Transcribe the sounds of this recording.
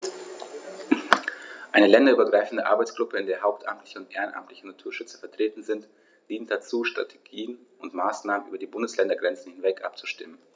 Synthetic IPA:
ʔaɪnəlɛndɐyːbɐɡʁaɪfn̩dəʔaɐbaɪt͡sɡ̥ʁʊpəɪndeːɐɦaʊp̚tʔa̰mtlɪçəʊntʔeːʁənʔa̰mtlɪçənatʰuːɐʃʏt͡sə̥fɛɐtʁ̥eːtn̩zɪnt | d̥iːntd̥at͡suːʃtʁ̥a̰tʰe̥ɡ̥iːənʔʊntmaːsnaːmənʔy̰ːbɐdiːbʊndəslɛndɐɡʁɛnt͡sn̩hɪnvɛkʔa̰p̚t͡suʃtɪmən

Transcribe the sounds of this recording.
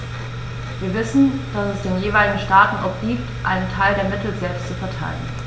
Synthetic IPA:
viːɐvɪsn̩d̥asɛsd̥eːnjeːvaɪlɪɡŋ̩ʃtaːtn̩ʔɔpɡ̥iːptʔa̰ɪnəntʰaɪldeːɐmɪtl̩zɛlpstt͡sufɛɐtʰa̰ɪlən

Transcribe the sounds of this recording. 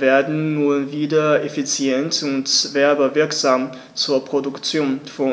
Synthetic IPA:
veːɐdn̩ːuːɐviːdɐefit͡sjɛntʊntvɛɐbɐvɪɐkz̥aːm | t͡suːɐpʁ̥odʊkt͡sjoːnfɔ

